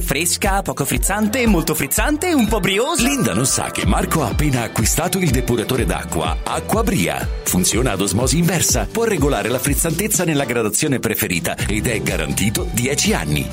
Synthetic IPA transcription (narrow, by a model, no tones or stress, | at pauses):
fɾeskapɔːkofɾit̪sːant̪emːolt̪ofɾit̪sːant̪eumpɔbɾioːlind̪anonsa̰k̟ːemːarkoaːpːeːnaːkːwist̪aːt̪oild̪epuɾat̪oːɾed̪a̰kːwa̰akːwabɾḭːa̰funt̪sjoːnaːd̪ozmɔːziːɱvɛrsapwɔrːeɡolaːɾelafɾit̪sːant̪et̪sːanelːaɡɾad̪at̪sːjoːnepɾefeɾiːt̪a̰ed̪ɛɡaɾa̰nt̪iːt̪od̪jɛːt͡ʃia̰nːḭ